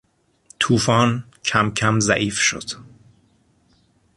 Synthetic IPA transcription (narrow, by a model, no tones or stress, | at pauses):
t̪ʰuːfɒːn | cʰæmcʰæmzæ̰ʔiːfʃo̰d̪̥